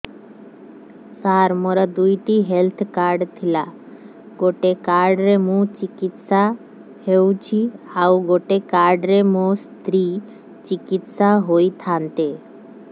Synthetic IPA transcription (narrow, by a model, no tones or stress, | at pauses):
saɾmɔɾad̪ujʈiɦelt̪ʰkaɾɖt̪ʰila | ɡoʈekaɾɖɾemũt͡ʃikit̪sa | hewt͡ɕʰiawɡoʈekaɾɖɾemũst̪ɾi | t͡ʃikit̪saɦojt̪ʰant̪e